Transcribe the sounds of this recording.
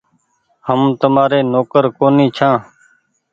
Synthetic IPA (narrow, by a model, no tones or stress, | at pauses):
həmt̪əmaːɾeːnoːkəɾkoːnĩːt͡ʃʰãː